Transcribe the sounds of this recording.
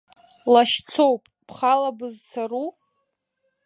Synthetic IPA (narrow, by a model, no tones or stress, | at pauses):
laʃt͡sʰowpʼpʰχalabɨzt͡sʰaru